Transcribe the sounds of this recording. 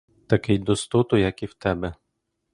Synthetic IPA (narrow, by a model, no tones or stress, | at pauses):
t̪ɐkɪjd̪ɔst̪ʊt̪ɔjɐkiwt̪ɛbɛ